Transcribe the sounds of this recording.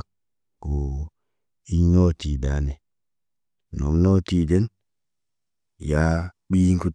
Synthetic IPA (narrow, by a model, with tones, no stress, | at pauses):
k | ko˨ | i˦ɲo˦ti˨daː˨˦ne˨ | no̰˨mnɔ˦ti˦de˦n | ja˦ | ɓi˦ŋku˦